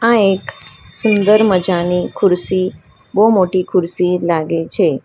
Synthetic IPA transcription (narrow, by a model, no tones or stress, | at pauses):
ãeksʊnd̪əɾməd͡ʒanikʰʊɾsi | bomoʈikʰʊɾsilaɡet͡ʃʰe